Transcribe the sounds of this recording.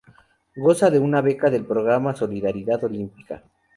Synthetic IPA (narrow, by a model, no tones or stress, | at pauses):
ɡo̞saðe̞unaβe̞kaðe̞lpɾoɣɾamaso̞liðaɾiðaðo̞limpi̥ka̰